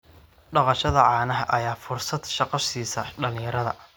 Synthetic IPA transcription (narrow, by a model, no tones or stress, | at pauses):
ɖɑqɑʃɐðɐʕɑːnɐɦɐʔɐjaːfʊrsɐd̪ʃɑqɑʃiːsɐɖɐlɪ̃jɐɾɐðɐ̰